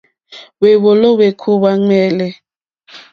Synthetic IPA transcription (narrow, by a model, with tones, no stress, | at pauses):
wɛ˨βɔ˨lɔ˦we˨kʰu˦βa˦ŋɛː˦lɛ˨